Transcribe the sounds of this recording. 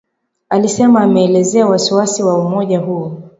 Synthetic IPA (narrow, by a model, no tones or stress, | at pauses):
alisɛmaːmɛːlɛzɛawasiwasiwaumɔʄaɦuɔ